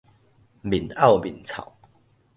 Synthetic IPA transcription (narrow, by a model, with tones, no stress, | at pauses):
bi˨˩na˥˨wbi˨˩nt͡sʰa̰˨˩˦w